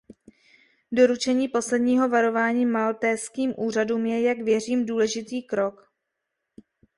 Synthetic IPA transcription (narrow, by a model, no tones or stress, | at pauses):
do̞ɾut͡ʃɛɲiːpo̞slɛdɲiːɦo̞vaɾo̞vaːɲiːmalt̪ɛskiːmʔuːr̝aduːmjɛjaɡvjɛr̝iːmduːlɛʒɪt̪iːkɾo̞k